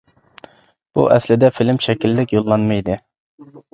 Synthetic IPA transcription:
b̥ṵʔɛslɪd̪ɛfilɪmʃɛkʲilːɪkʲjolˠːɑnmɨjd̪ɨ

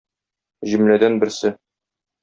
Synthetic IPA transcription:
ʑɘ̆mlæd̪ænbɘ̆ɾsɘ

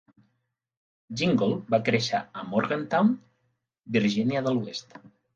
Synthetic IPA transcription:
ʒiŋɡolˠbakɾeʃaəmoɾɣənt̪awn | biɾʒinjaðəluest̪

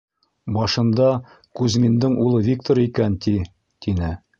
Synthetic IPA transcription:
bɒʃɤ̆nd̪ɑ | kʉzmind̪ɘɴʔulˠɤvʲik̚t̪oɾikænt̪i | t̪inɘ

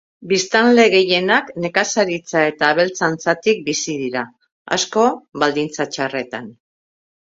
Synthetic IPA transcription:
bist̪anle̞ɣ̞e̞je̞nakne̞kasaɾit͡sae̞t̪aːβe̞lt͡sant͡sat̪ik̚bisiðiɾa | a̰sko̞βald̪int͡sat͡ʃare̞t̪an

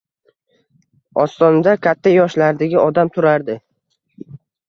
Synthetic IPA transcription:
ɒst̪ɒnad̪akʲʰat̪ʰːajɒʃlaɾd̪aɡʲɪɒd̪amt̪ʰʊɾaɾd̪ɪ

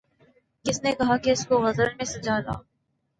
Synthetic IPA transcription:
kɪsnekɐɦakeɪskoɣɐzəɾmẽsɐd͡ʒaːd̪a̰ː

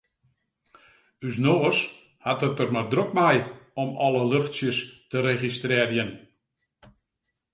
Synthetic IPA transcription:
ysnoːs | hatətərmardrok̚mɛjɔmɔləløxtsjəstəɾeχistrɪːrjən

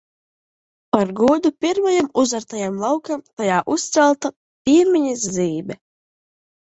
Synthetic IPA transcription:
paɾɡuɔd̪upʲiɾmajamuzaɾt̪ajamlˠawkamt̪ajaːʔust̪sɛlˠt̪a | pʲiɛmʲiɲizziːbʲɛ

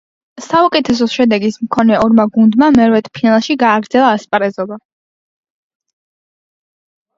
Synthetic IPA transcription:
saukʼɛt̪ʰɛs̬ɔʃɛd̪ɛɡismkʰɔnɛɔɾmaɡund̪mamɛɾvɛt̪ʰpʰinalˠʃiɡaːɡɾd̪zɛlˠaːspʼɾɛzɔba

